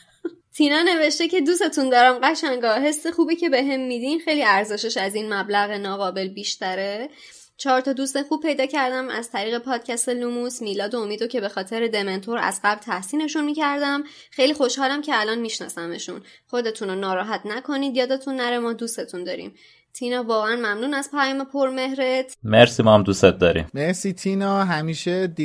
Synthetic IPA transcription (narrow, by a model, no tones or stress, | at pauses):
t̪ʰinɒne̞ve̞ʃt̪e̞ce̞d̪use̞t̪ʰund̪ɒːɾæmɢæʃæŋɡɒɦe̞sːexuːbicʰe̞be̞ɦemːid̪inxe̞jliæɾze̞ʃeʃæzinmæblæɣenɒːɣɒːbe̞lbiːʃt̪æɾe | t͡ʃʰɒːɾt̪ʰɒːd̪ust̪exub̥̚pʰːe̞jd̪ɒːcʰæɾd̪æmæ̰zt̪ʰæɾiːɣe̞pʰɒːd̪̥̚cʰæst̪e̞lumusmiːlɒːd̪oomiːd̪ocʰe̞be̞xɒːt̪ʰeɾed̪eme̞nt̪ʰoɾæ̰zɢæblt̪ʰæhsiːne̞ʃunmiːcæɾd̪æm | xejliːxo̞ʃhɒːlæmcʰeælɒːnmiːʃnɒ̰ːsæme̞̰ʃṵn | xo̞d̪e̞t̪ʰunonɒːɾɒːɦæt̪ʰnækʰo̞niːd̪jɒːd̪et̪ʰunːæɾemɒːd̪ust̪e̞t̪ʰund̪ɒːɾḭːm | t̪ʰinɒːvɒːɣeænmæmnuːnæspʰæjɒːme̞pʰoɾme̞ɦɾet̪ʰmeɾsimɒhæmd̪uset̪̚d̪ɒɾḭmmesit̪ʰinɒɦæmiːʃed̪